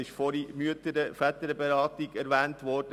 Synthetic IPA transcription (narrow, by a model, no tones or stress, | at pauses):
ɪʃfɔɾimyətəɾəfæt̪əɾəbeɾɑːtiɡɛɾʋɛːntʋɔːrd̥ə